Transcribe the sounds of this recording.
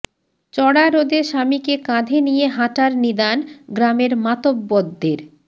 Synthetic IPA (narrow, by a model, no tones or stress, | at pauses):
t͡ɕɔɽaɾod̪eʃamikekãd̪ʱenijeɦãʈaɾnid̪anɡɾameɾmat̪obːɔd̪ːeɾ